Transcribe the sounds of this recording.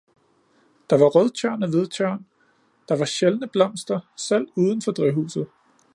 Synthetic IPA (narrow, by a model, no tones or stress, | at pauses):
d̥ɑ̈ʋɑ̈ʁœðˠt͡ɕʰɶɐ̰næʋe̝ð̞ˠt͡sʰœɐ̰n | d̥ɑ̈ʋɑ̈ɕelnəb̥lɒ̽m̰sd̥ɐsel̰uːðˠən̩fɒ̽d̥ʁɛɦṵːsð̞̩ˠ